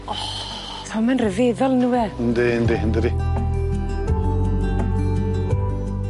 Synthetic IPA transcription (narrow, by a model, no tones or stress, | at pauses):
θɔmɛnrəveðɔlnuwɛnd̪end̪end̪ɾi